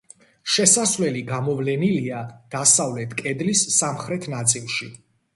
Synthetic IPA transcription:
ʃɛsasvlɛliɡamɔvlɛniliad̪̥asavlɛt̪ʰkʼɛd̪lisːamχɾɛt̪ʰnat̪sʼilˠʃi

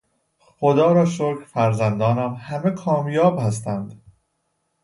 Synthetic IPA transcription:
xod̪ɒːɾɒːʃoɾkʰfæɾzænd̪ɒːnɒːmhæmekʰɒːmjɒːbhæs̬t̪ænd̪̥

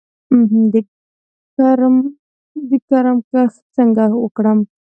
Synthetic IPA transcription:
m̩ɦ̩d̪ə | kaɾm | d̪əkaɾəmkaxt͡səŋɡawəkɽəm

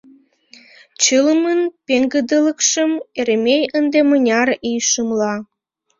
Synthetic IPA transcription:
t͡ɕələmənpeŋɡəd̪ələkʃəmeɾemʲejənd̪emənʲɑrijʃəmlɑ

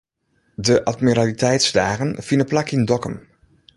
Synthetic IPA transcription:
dəʔatmiɾalitʰɛjtsdaːɣənfinəplakindɔkə̰m

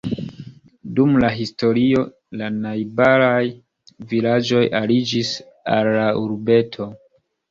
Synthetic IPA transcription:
dumlaɦisto̞ɾio̞ | lanajbaɾaj | vilad͡ʒo̞jʔalid͡ʒis | a̰lːauɾbe̞tʰo̞

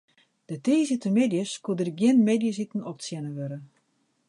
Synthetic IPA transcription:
d̥əteːzitəmedjəskudərɡjɪnmedjəs̬itn̩ɔp̚sjɛnəʋøɾə

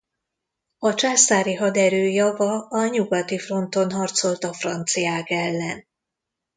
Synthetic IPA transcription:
ɒt͡ʃaːst̪aːɾiɦɒd̪ɛɾøːjɒvɒɒɲuɡɒt̪ifro̞nt̪o̞nɦɒrt̪so̞lt̪ɒfrɒnt̪sijaːkɛlːɛn

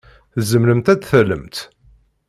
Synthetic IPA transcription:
θzəmləmt̪æd̪θələmt̪

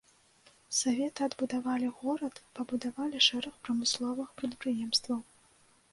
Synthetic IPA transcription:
savʲɛt̪ɨɐd̪bud̪avalʲiɣɔɾɐt̪pɐbud̪avalʲiʂɛɾɐxpɾɐmɨslˠɔvɨxpɾɐt̪̚pɾɨjɛmst̪vɐw

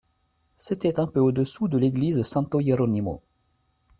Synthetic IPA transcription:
set̪ɛt̪ɛ̃pøod̪əsud̪əleɡlizsɛ̃t̪oeɾɔnimo̰

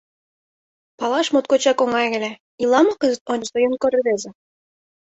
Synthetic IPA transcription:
pɑlˠɑʃmot̪̚kot͡ɕɑkoŋɑjɣɘ̆lʲæ | ilˠɑmɑkɤ̆zə̆t̪onʲsŏjɤ̆nkoɾɘ̆βezĕ

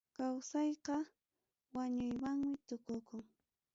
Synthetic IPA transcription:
kawsɑjqɑ | waɲʊjwaŋmɪt̪ʊkʊkʊŋ

